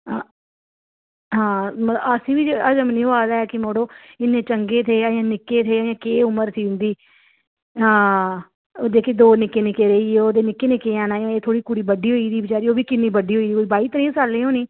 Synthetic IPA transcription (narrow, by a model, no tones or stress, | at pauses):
ɦãːməsĩːʋiːd͡ʒəd͡ʒəmnĩːɦoaːd̪aːɛːkɪmoːɽoːɪnːẽːt͡ʃəŋɡeːt̪ʰeːəjãːnɪkːeːt̪ʰeːəjãːkeːʊməɾsiːʊ̃nd̪iː | oːd̪eːkeːd̪oːnɪkːeːnɪkːeːɾəiːeːoːd̪eːnɪkːeːnɪkeːãːnaːjãːeːt̪ʰoːɽiːkʊɽiːbəɖiːɦoːiːd̪iːbɪt͡ʃaːɾiːoːbiːkɪnːiːbəɖiːɦoːiːd̪iːkoːiːbaːiːt̪əɾĩːsaːlːẽːɦõːnĩː